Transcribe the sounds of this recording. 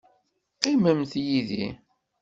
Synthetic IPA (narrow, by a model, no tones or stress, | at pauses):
qɪməmθjiðḭ